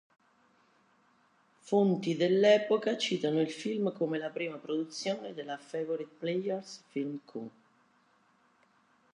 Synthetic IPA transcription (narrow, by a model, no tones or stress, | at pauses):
font̪id̪elːɛːpokat͡ʃiːt̪anoilfilmkomelapɾiːmapɾod̪ut̪sːjoːned̪elafɛvoɾid̪̚plejɛrsfilmkʰṵ